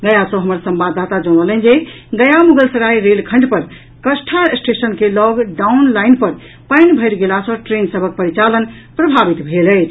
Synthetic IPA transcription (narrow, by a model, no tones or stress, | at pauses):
ɡəjasə̃ɦəməɾsəmbad̪ːat̪ad͡ʒɔɽ̃ələnd͡ʒe | ɡəjamuɡəlsəɾaiɾelkʰə̃ɳɖpəɾ | kəsʈʰasʈesənkelɔɡɖaunlajnpəɾ | pajnbʱəjɾɡelasə̃ʈɾensəbʱək̚pəɾit͡ʃalən | pɾəbʱabit̪bʱeləjt͡ʃʰ